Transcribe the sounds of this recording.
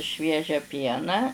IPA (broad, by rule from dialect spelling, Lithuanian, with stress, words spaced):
ˈʃʲʋʲiɛʒʲæː ˈpʲiɛnɑː